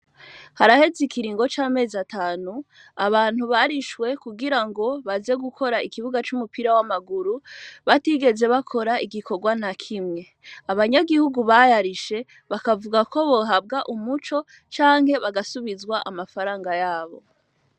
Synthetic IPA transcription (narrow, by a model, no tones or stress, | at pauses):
haɾahe̞zikiɾiːŋɡo̞t͡ʃaːme̞ːzataːnu | aβaːn̥huβaɾiʃwe̞kuɡiɾaŋɡo̞βaze̞ɡukʰo̞ɾaikiβuɡat͡ʃumupiɾawamaɡuɾuβatiɡe̞ze̞βakʰo̞ɾaiɡikʰo̞ɡwan̥akʰimŋe̞ | aβaɲaɡihuɡuβajaɾiʃe̞ | βakavuɡako̞βo̞ɦab̚ɡaʔumut͡ʃo̞ | t͡ʃaːŋ̥he̞βaɡasuβizwaʔa̰mafaɾaːŋɡajaːβo̞̰